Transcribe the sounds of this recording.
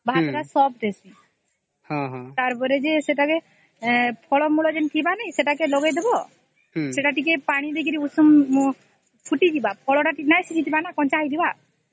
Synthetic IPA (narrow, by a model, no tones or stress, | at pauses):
bʱad̪ɔɾasɔp̚ʈesi | hɔ̃ɦɔ̃t̪aɾpɔɾed͡ʒeseʈake | pʰɔɭɔmuɭɔd͡ʒenkibanaj̃seʈakelɔɡed̪ebɔ | seʈaʈikepaɽ̃id̪ekiɾiusum | t͡ʃʰuʈid͡ʒibapʰɔɭɔʈaʈinajsit͡ʃʰit̪ibanakɔnt͡ʃajd̪iba